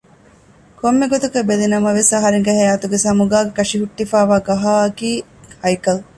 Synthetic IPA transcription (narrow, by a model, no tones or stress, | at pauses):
komːeɡot̪ukɐbelinɐmɐʋesɐɦɐɾeŋɡɐɦɐjaːt̪uɡesɐmuɡaːɡekɐʂiɦuʈːifaːʋaːɡɐɦaːɐkiː | hɐjkɐl